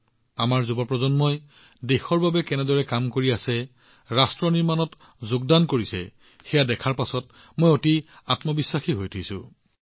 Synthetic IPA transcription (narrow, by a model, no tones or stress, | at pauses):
amaɹzubɔpɹɔzɔnmɔj | dexɔɹbabɛkɛnɛdɔɹɛkamkoɹiasɛ | ɹastɹɔniɹmanɔt | zʊɡ̚dankoɹisɛ̰ | xɛjadɛkʰaɹpasɔt | mojoti | atmɔbisːaxiɦojtʰisʊ̰̃